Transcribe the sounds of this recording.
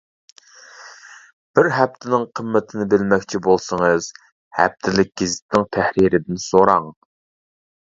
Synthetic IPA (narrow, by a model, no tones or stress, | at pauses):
b̥ɪɾɦɛp̚t̪ʰɪnɪŋqʰəmːɪt̪ʰɪnɪbɪlmɛkʲt͡ʃʰibolˠsəŋɨz̥ | hɛ̰p̚t̪ʰɪlɪk̚ʲɡ̥ʲizɪ̥t̪nɪŋt̪ʰæhɾiɾɪd̪ɪnsoɾɑŋ